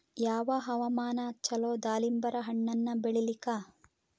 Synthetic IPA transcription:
jaːʋɐɦɐʋɐmaːnɐt͡ʃːɐloːd̪aːlimbɐɾɐɦɐɳːɐnːɐbeɭilikaː

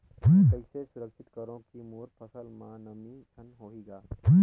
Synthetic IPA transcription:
kəisesʊɾəkʃɪt̪kəɾõkimuːɾpʰɐsəlmãːnɐmid̪ʱɐnɦoːɦiːɡaː

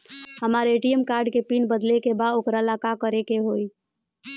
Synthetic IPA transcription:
həmaɾeʈijəmkaɾɖkepinbəd̪lekebad̪okɾalakakəɾekeɦoi

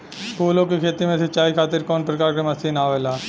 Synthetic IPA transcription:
koːlõkikʰeːt̪imẽsɐt͡ʃaːikʰaːt̪ɪɾkɔːnpɾəkaːɾkemɐst̪ʰiːnaːʋeːlaː

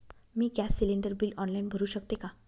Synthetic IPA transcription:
miːkjasːiliɳɖəɾbiːlɔnlainbʱəɾuːɕəkt̪eka

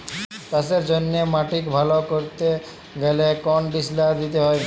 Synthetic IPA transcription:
t̪aseɾd͡ʑonːemaʈikbʱalokoɾt̪e | ɡelekɔnɖislad̪it̪eɦɔe

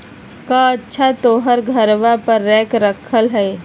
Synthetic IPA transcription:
kãɐtːʃʰat̪oːɦəɾɡʱəɾʋapəɾːɛːkɾəkʰəlɦɛː

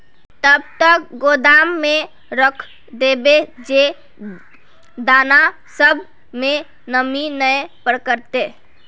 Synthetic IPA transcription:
t̪əb̚t̪ək̚ɡod̪amːẽ | ɾəkʰ | d̪ebed͡ʒe | d̪aːna | səb | mẽ | nəminəpəɾkəɾt̪e

